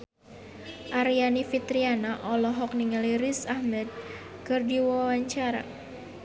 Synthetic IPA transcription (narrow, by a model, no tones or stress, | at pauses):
ʔaɾianifit̪ɾianaʔɔlɔɦɔk̚niŋaliɾisahmɛd̪̚ | kɨrdiwawaɲt͡ʃaɾa̰